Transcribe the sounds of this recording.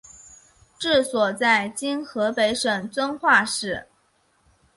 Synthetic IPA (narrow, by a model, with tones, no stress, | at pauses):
ʈ͡ʂɻ̩˥˩swɔ˨˩t͡sa˥˩ɪt͡ɕi˥nxɤ˧˥pe˧˥ɪʂɤ˨˩ŋt͡swə˥nxwa˥˧ʂɻ̩˥˩